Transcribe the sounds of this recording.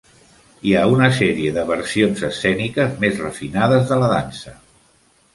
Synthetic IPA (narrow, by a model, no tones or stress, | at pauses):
iaunəsɛɾiəðəβəɾsionzəsːɛnikəzmezrəfinaðəzðələðansə